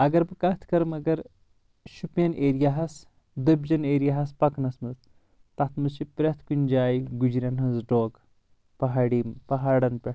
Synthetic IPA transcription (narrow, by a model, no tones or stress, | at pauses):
ɐɡɐɾbɨkɐt̪ʰkɐɾmɐɡɐɾ | ʃupjɐnʔeːɾijaɦɐs | d̪ɐbd͡ʒɐneːɾijaɦɐspɐknɐsmɐz | t̪ɐt̪ʰmɨzʃipɾʲɐt̪ʰkunʲd͡ʒaːjiɡud͡ʒɾʲɐnɦɐzɖoːɡ | pɐɦaːɽimpɐɦaːɽɐnpʲɐ